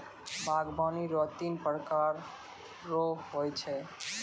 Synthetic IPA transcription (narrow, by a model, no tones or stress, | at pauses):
baɡbaniɾɔt̪inpɾkaɾː | oɦojt͡ʃʰɛ